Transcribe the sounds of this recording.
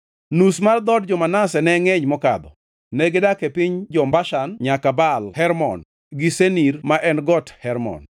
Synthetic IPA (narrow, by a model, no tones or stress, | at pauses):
nusmard̪ɔdd͡ʒɔmanasɛnɛŋeɲmɔkad̪ɔ | neɡedakepiɲd͡ʒɔmbaʃanɲakabalhɛɾmɔ̰n | ɡisenirmaʔɛnɡɔthɛɾmɔ̰n